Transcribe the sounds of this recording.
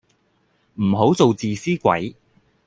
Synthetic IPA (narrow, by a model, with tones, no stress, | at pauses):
m̩˨˩ɦo˨˥wt͡so˨wt͡siː˨siː˥kʷɐ̰˨˥j